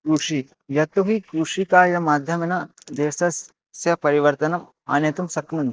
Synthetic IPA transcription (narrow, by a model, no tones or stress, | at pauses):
kɾuʂi | jɐt̪uɦikɾuʂikaːɾjɐmaːd̪ʱjɐmenɐ | d̪eːsɐs | sjɐpɐɾiʋɐɾt̪ɐnɐm | a̰ːnjɐt̪umsɐkmun